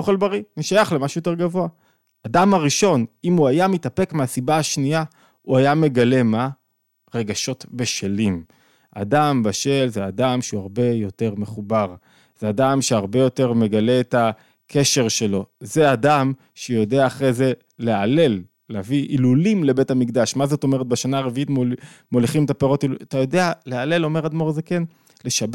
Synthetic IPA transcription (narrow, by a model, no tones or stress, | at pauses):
oχelbaʁianiʃajaχlemaʃujoteɡavo̞a | adamaʁiʃo̞nimuajamitape̞kmeasibaaʃnia | uajame̞ɡale̞ma | ʁe̞ɡaʃo̞tbeʃelim | a̰dambaʃe̞lzeadamʃeuaʁbe̞jo̞te̞ʁme̞χubaʁ | z̥eadamʃeaʁbe̞jo̞te̞ʁme̞ɡale̞ːta | kʰe̞ʃe̞ʁʃe̞lo̞ze̞adam | ʃejo̞deaːχʁeze̞ | leale̞lː | eaviʔilulimle̞be̞tamikd̪aʃmazo̞t̪o̞me̞ʁet̪̚baʃanaːʁeviitmmoliχimet̪ape̞ʁo̞tiluat̪ajo̞de̞aleale̞lo̞me̞ʁad̪mo̞ʁzeken | le̞ʃab